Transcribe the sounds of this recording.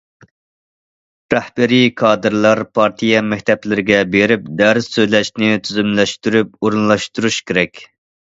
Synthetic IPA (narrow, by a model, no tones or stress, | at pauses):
ɾæhbæɾijkʰɑːd̪ɨɾlˠɑɾpʰɑɾt̪ʰijɛmɛk̚ʲt̪ʰɛplɪɾɪɡʲɛbeɾɪp̚d̪æɾzːøjlɛʃnɪt̪ʰyzymlɛʃt̪yɾypoɾunlˠɑʃt̪uɾuʃkʲeɾɛkʲ